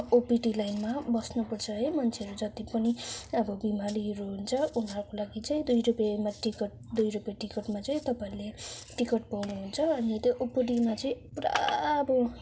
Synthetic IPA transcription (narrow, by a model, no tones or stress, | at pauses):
opiʈilajnmabʌsnupʌrt͡sʰʌɦʌjmʌnt͡sʰeʌɾud͡zʌt̪ipʌniʌbʌbimaliɦʌɾuɦunt͡sʰʌunʌɾkolaɡit͡saĩd̪ujɾupjemaʈikʌʈ̚ | d̪ujɾupjaʈikʌʈmat͡saĩt̪ʌpaĩleʈikʌʈ̚pawnuɦunt͡sʰʌʌnit̪joʔopiʈimat͡sʌĩpra̰bʌ